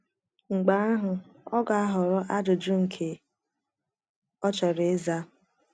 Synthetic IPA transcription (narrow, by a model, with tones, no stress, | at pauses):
ŋ͡m̩˨ɡ͡ba˨˦a˦ɦʊ˨ɔ˦ɡa˨a˦ɦʊ˨ɾʊ˦ʔa˦dʊ˨d͡ʒʊ˦ŋ̩˨kʰe˨ | ɔ˦t͡ʃɔ˨ɾe˨˦za˦